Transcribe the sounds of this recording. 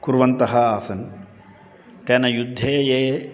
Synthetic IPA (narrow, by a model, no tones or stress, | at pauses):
kuɾʋɐnt̪ɐɦɐaːsɐn | t̪ɐnɐjud̪ʱːeːeː